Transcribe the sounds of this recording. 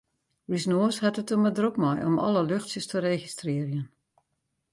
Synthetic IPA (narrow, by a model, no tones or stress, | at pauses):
risnoːshɛtətomədrokmɔjʔɔmɔ̰ləløxtsjəstʰəreːxistrɪərjən